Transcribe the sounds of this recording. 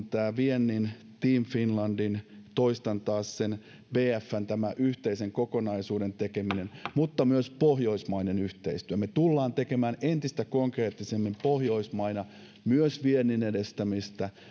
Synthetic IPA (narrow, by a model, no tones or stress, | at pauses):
t̪æːʋienːin | t̪iːmfinlɑndint̪oist̪ɑnt̪ɑːssen | ʋeːæfːænt̪æmæʔyht̪eiseŋkokonɑisuːdent̪ekeminenmut̪ːɑmyøspohjo̞ismɑinenyht̪eist̪yømet̪ulːɑːnt̪ekemæːnent̪ist̪ækoŋkreːt̪ːisemːimpohjoismɑinɑ | myøsʋienːinedest̪æmist̪æ